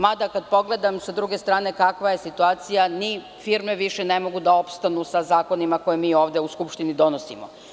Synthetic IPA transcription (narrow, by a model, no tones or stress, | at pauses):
mad̪akad̪po̞ɡle̞d̪amsad̪ɾuɡest̪ɾaːne̞kakʋaje̞sit̪uaːt̪sijani | fiɾme̞ʋiʃenemo̞ɡud̪ao̞pst̪anusazaːko̞nimako̞jemiːo̞ːʋd̪euskupʃt̪inid̪o̞nosḭmo